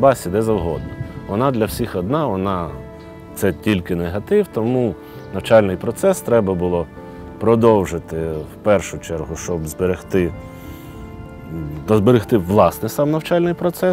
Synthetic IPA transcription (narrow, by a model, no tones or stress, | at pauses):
bɑsʲid̪ɛzɐwɦɔ̰d̪ʊʋɔnɑd̪lʲɐwsʲixɔd̪nɑʋɔnɑ | t̪sɛtʲilʲkɪneɦɐt̪ɪwt̪ɔmu | nɐwt͡ʃɑlʲnɪjpɾɔt̪sɛst̪ɾɛbɐbʊlˠɔ | pɾɔd̪ɔwʒɪt̪ɪwpɛrʃʊt͡ʃɛrɦʊʃt͡ʃɔbzbeɾext̪ɪ | ɐzbeɾɪxt̪ɪʋlˠɑsnɪsɑmnɐwt͡ʃɑlʲnɪjpɾɔt̪sɛ